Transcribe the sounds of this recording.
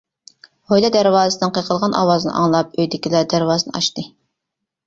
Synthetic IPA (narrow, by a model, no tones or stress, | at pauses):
hojlˠɑd̪æɾwɑːzɨsd̪ɨnqʰəqʰəlˠʁɑnʔɑ̰wɑzɨnɨ̰ʔɑ̰ŋlˠɑp̚øjd̪ɪkʲilɛd̪æɾwɑːzɨnɨ̰ʔɑʃt̪ɨ